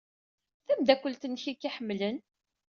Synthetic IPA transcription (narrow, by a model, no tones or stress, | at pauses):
θæmd̪ækʷːəlt̪ənːçikːiħəmːlən